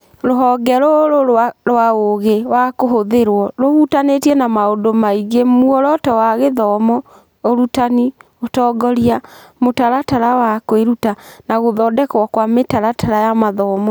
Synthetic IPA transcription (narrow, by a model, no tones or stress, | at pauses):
ɾoɦɔɡɛɾoɾoaɾwaoɣewakoɦoðeɾwɔɾoɣutanetiɛnamaondomaiɣemuɔɾɔtɔwaɣeðɔmɔ | oɾutani | otɔːɡɔɾiamotaɾataɾawakweɾutanaɣoðɔːdɛkwɔkwametaɾatʰaɾajamaðɔmɔ